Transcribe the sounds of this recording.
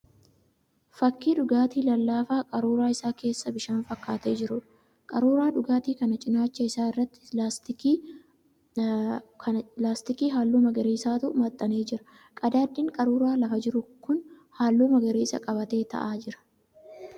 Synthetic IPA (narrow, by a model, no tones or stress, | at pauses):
fɐkːiːᶑʊɡaːt̪iːlɐlːaːfaːkʼɐɾuːɾaːɪsaːke̞ːsːɐbɪʃaːnfɐkːaːt̪e̞ːd͡ʒɪɾʊᶑ | kʼɐɾuːɾaːᶑʊɡaːt̪iːkɐnɐt͡ʃʼɪnaːt͡ʃːɐɪsaːɪrːɐt̪ːɪ̥last̪ɪi | ɐlaːst̪ɪkiːɦaːlːuːmɐɡɐɾeːsaːt̪ʊʔʊmɐt̪ʼːɐneːd͡ʒɪɾɐ̥ | kʼɐd̪aːd̪ːɪːŋkʼɐɾuːɾaːlɐfɐd͡ʒɪɾʊkʊn | haːlːuːmɐɡɐɾeːsɐ̰kʼɐbɐt̪e̞ːt̪ɐ̰ʔaːd͡ʒɪɾɐ̥